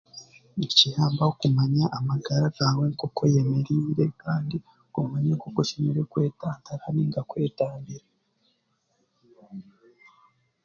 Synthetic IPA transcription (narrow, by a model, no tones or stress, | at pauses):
icihaːmbahokumaɲaʔamaɡaɾaɡawekokʰo̞jemeɾiːɾe̞kaːndi | kumaɲekokoʃimiɾekwe̞ːtaːntaɾaɾiːŋɡakwe̞ːtaːmbiɾe